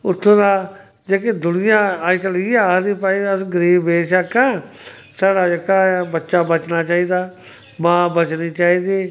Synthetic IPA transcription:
ʊt̪ʰːõːd̪aː | d͡ʒeːkeːd̪ʊnɪjãːaːkəliːad̪iːpaːiːəsɡəɾiːbeːʃaːkɛ̃ː | saːɽaːd͡ʒeːkaːbətːʃaːbət͡ʃnaːt͡ʃaːiːd̪aː | mãːbət͡ʃniːt͡ʃaːiːd̪iː

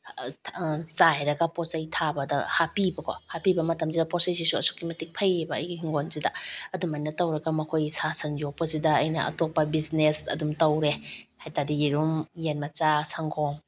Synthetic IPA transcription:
zajɾɐɡaposɐjtʰabɐdɐ̰hapibɐkʰo̰hapibɐmɐtɐms̬idɐposɐjs̬isuɐ̰su̥kimɐtik̚pʰɐjebɐɐjɡiɦiŋɡonsidaɐdumajnɐtɐwɾɐɡɐmɐkʰojsasɐnjopɐzidɐɐjnɐ̰ʔɐ̰topːabiznesɐ̰dumtɐwɾehajtadijiɾumjenmɐt͡ʃasʰaŋɡʰɔŋ

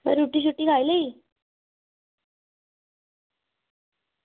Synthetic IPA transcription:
mə̰ɾɾuʈiːɕ̬uʈːiːɡʱajlei

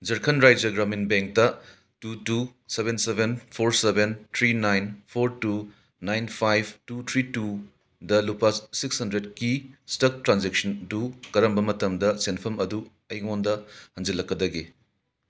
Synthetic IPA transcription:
d͡ʒɐɾkʰɐnɾajd͡ʒɐɡɾaminbeŋk̚tɐ | tutusebensebʱenpʰoɾsebent̪ʰɾinajnpʰoɾtu | najnpʰajb̚tut̪ʰɾitu | dɐlupɐsikshɐndɾedkistɐk̚tɾand͡ʒek̚sɐntukɐɾɐmbɐmɐtɐmdɐsenpʰɐmɐdu | ɐjŋondɐhɐŋd͡ʒilɐkːɐdɐɡi

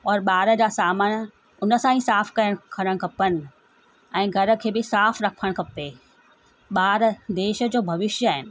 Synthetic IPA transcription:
ɔːɾɓaːɾə̆d͡ʑaːsaːməɽ̃ | ʊnə̆sãːĩsaːfkɐɾəɽ̃kʰɐɾəɽ̃kʰɐpənɪ̆ | ɛ̃ːɡʱɐɾə̆kʰeːbɪsaːfɾɐkʰəɽ̃kʰɐpeː | ɓaːɾd̪eːʃə̆d͡ʑoːbʱɐʋɪʃjəaːɦɪnɪ̆

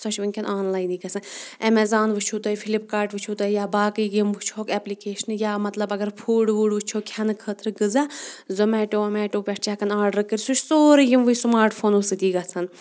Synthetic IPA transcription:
sɐʃʰʋɨnʲkʲʰɐnʔaːnlaːjniːɡɐt͡sʰɐnɛmɛzaːnʋɨt͡ʃʰuːt̪ɐjifʰilip̚kaːɾʈʋɨt͡ʃʰut̪ɐijaːbaːkɨːɡimʋɨt͡ʃʰoːkɛplikeːʃnjaːmɐt̪lɐbɐɡɐɾpʰuːɖʋuːɖʋɨt͡ʃʰoːkʲʰɐnɨkʰəːt̪ʰɾɨɡɨzazɔmɛːʈoːɐmɛːʈoːpʲɛʈʰt͡ʃaːkɐnaːɾɖɾɐkɨɾʲsut͡ʃʰʲsoːɾijimʋɨjsmaːɾʈpʰoːnusɨt̪iːɡɐt͡sʰɐn

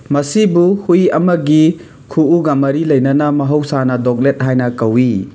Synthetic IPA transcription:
mɐsibuhujɐmɐɡi | kʰuuɡamɐɾilɐjnɐnɐmɐɦɐwsanɐdɔk̚let̚ɦajnɐkɐwi

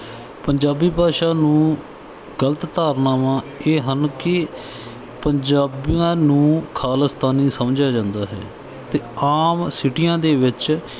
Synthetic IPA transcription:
pəɲd͡ʒaːbiːpaːʃaːnũː | ɡələt̪ːaːɾnaːmãːeːɦənkɪ | pəɲd͡ʒaːbiãːnũːkʰaːləst̪aːniːsəmd͡ʒaːd͡ʒãːnd̪aːɦɛ̰ː | t̪eːaːmsɪʈɪjãːd̪eːʋɪt͡ʃ

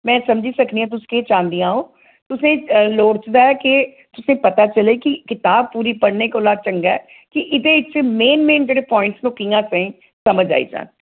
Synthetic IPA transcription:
mɛ̃ːsəmd͡ʒiːsəkʰniãːt̪̬ʊsĩ̥ːkeːt͡ʃãːnd̪ijãːɦõː | t̪ʊsẽːloːɽt͡ʃd̪aːɛːkɪ | t̪ʊsẽːpət̪aːt͡ʃəleːkɪkɪt̪aːb̚puːɾiːpəɽneːkoːlaːd̪̚t͡ʃəŋɡaɛ | kɪʔɪd̪eːɪt͡ʃmeːnmeːnd͡ʒeːɽeːpɔːɪ̃ɳʈsnũːkijãːsəĩː | səməd͡ʒa̰ːḭːd͡ʒa̰ːn

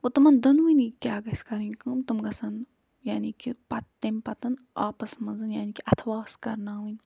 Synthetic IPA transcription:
ut̪ɐmɐnd̪ɐnʋunikʲjaːɡɐsʲkɐɾɨnʲkɐmt̪umɡɐsɐn | jaːniːkipɐt̪ːɐmʲpɐt̪ɐn | aːpɐsmɐnzɨnjaːniːkiʔɐt̪ʰʋaːskɐɾnaːɦunʲ

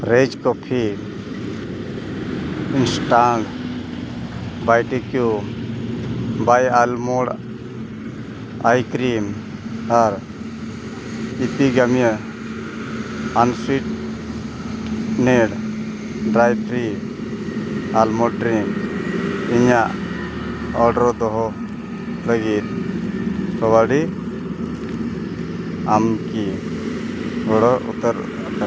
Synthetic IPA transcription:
ɾed͡ʒkɔpʰi | insʈaɳɖ | bajʈikjum | bajalmɔɽ | ajkɾimaɾ | ip̪iɡamija | ansiʈ̚ | nɛɽ | ɖɾajpʰɾi | almɔɖɾim | iɲaʔ | ɔɾɖɾɔd̪ɔɦɔ | ləɡit̪̚ | sɔwaɽi | amki | ɡɔɽɔṵt̪əɾ

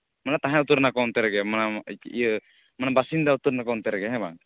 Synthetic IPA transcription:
manat̪aɦɛ̃ut̪uɾnakɔnt̪ɛɾɛɡɛmanaə | manabasind̪aut̪uɾnakɔnt̪ɛɾɛɡɛɦɛ̃ba̰ŋ

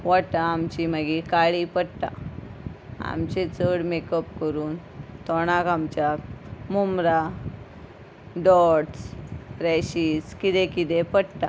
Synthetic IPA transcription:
ʋaʈãːmt͡ɕiməɡikaɭipəɽt̪ã̰ | a̰mt͡ɕet͡səɽmekəpkəɾuːn | t̪ɔɽ̃akamt͡ɕjamumɾa | ɖɔʈspɾɛɕiskit̪ẽkit̪ẽpəɽt̪ã̰

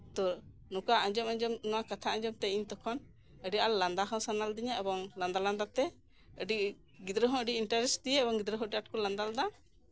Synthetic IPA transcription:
t̪ɔ | nukaʔəɲd͡ʒɔmaɲd͡ʒɔmnɔwakat̪ʰaʔə̃ɲd͡ʒɔmt̪ɛiɲt̪ɔkʰɔn | əɖialland̪aɦɔ̃sanald̪iɲaʔɛbɔŋland̪aland̪at̪ɛ | əɖi | ɡid̪ɾəɦɔ̃ʔəɖiinʈaɾɛsd̪ijɛːbɔŋɡid̪ɾəɦɔ̃əɖiaʈ̚kɔland̪ald̪a

